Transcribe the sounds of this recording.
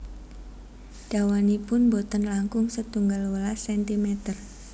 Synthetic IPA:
ɖ̥awanipʊnbot̪ənlaŋkʊŋsət̪uŋɡalwəlasɛnt̪imɛt̪ər

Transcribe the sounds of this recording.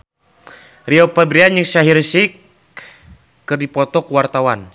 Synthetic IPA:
riɔpabɾiaɲɨŋʃaɦirsik | ɨrdipɔt̪ɔkuwart̪awan

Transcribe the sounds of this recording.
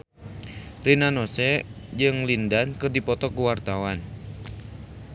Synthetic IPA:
rinanɔsɛd͡ʒɨŋlindankɨrdipɔt̪ɔkuwart̪awan

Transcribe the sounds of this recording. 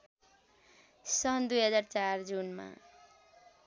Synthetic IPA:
sʌnd̪ujɦʌd͡zart͡sard͡zunma̰

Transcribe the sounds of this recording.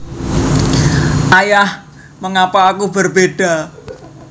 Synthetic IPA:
ʔajah | məŋapaːkubərbeɖ̥a̤

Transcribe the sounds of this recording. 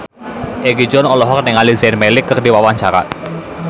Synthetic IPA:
ʔeɡid͡ʒɔnɔlɔɦɔk̚nɪŋalizɛnmelɪkːərdiwawaɲt͡ʃaɾa̰

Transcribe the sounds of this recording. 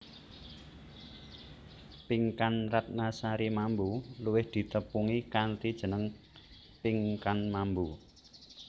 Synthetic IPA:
piŋkanrat̪̚nasaɾimambuluwɪhd̪̥i̤t̪əpuŋikant̪id̥ʒ̥ə̤nəŋ | piŋkanmambu

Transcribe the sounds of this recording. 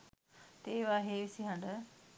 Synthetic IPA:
t̪eːʋaːɦeːʋisiɦãɳɖə

